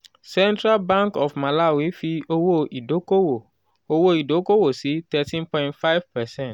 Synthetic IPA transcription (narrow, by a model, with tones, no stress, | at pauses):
sɛ̃˦ntɾa˦lbã˦ŋkɔ˨fma˨la˦˨wi˨˦fi˧o˧wo˦i˨do˨˦ko˦wo˨ | o˧wo˦i˨do˨˦ko˦wo˦˨si˨˦tɛ˧tĩ˦npɔ̃˧ĩntfa˦jv̥pɛ˨sɛ̃˦nt